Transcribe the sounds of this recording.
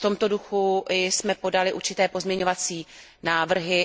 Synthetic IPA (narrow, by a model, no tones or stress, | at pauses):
ft̪o̞mt̪o̞duxuɪsmɛpo̞dalɪʔuɾt͡ʃɪt̪ɛːpo̞zmɲɛɲo̞vat͡siː | naːvr̩ɦɪ